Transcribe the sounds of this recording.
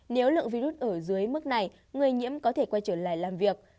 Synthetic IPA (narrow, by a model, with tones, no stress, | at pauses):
ne˨˦wlɨ̰˧˨əŋvi˧zu˦˥t̚ʔəː˧˩zɨ˨˦əjmɨ˦˥k̚na˨˩j | ŋɨ˨˩əjɲḭ˧˥əmkɔ˨˦t̪ʰe˧˩kwa˧jt͡ɕəː˧˩la̰ː˧˨jlaː˨˩mvi˨˩ək̚